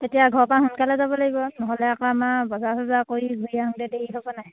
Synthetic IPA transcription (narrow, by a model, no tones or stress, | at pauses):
tetijaɡʱɔɹpaɦunkalɛzabɔlaɡibɔnɔɦɔlɛakɔamabɔzasʰɔzakoɹiɡʱujaɦɔndɛdeiɦɔbɔnaj